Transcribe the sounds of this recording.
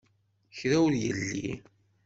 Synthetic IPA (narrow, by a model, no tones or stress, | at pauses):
çɾæwðjəlːḭ